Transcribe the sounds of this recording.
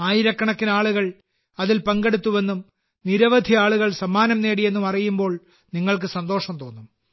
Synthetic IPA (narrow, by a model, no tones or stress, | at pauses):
aːjiɾɐkːɐɳɐkːinaːɭuɣɐɭ | ɐðilpɐŋɡe̞ɽut̪ːuʋe̞nːum | niɾɐʋɐd̪ʱiaːɭuɣɐɭsɐmːaːnɐmneːɽije̞nːumɐrijumbo̞ːɭ | niŋːɐɭk̬ɨsɐnd̪o̞ːʂɐmt̪o̞ːnːum